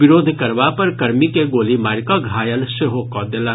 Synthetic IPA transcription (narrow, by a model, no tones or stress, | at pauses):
ɪɾoːd̪ʱkɐɾʋapɐɾkɐɾmikeɡoːlimaːɾkaɡʱaːjəlʃeɦokɔːd̪ela